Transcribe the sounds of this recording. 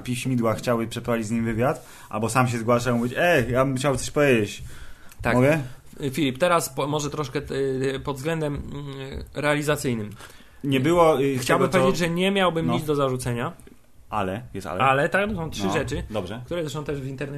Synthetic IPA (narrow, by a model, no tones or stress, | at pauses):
pʲiɕmʲid̪waxt͡ɕawɘpʂɛpɾaid͡ʑzɲimʲvɘvʲjat̪ | ʔa̰lbɔsamɕ̬ɛzɡwaʂamuvʲit͡ɕɛjabɘmxt͡ɕawɛt̪ɔɕpɔvʲjed͡ʑet͡ɕt̪akmɔɡɛ | fʲilʲipt̪ɛɾaspɔmɔʐɛt̪ɾɔʂkɛpɔd̪vzɡlɛnd̪ɛm | ɾɛalʲizat̪sɘjnɘm | ɲɛbɘwɔxt͡ɕawbbɪmpɔved͡ʑed͡ʑʐɛɲɛmʲjawbɘmɲid̪zd̪ɔzaʐut̪sɛɲa | ʔalɛjɛst̪a̰lɛʔalɛt̪aknɔsɔ̃w̃tʂɨʐɛt͡ʂɘd̪ɔbʐɛkt̪uɾɛzatnɔ̃w̃t̪ɛʐvʲint̪ɛɾnɛ